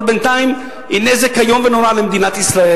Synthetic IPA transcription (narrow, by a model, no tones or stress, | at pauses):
bɛnt̪aj̃m | inɛzɛkhajomvɛnoɾalemd̪inat̪isɾae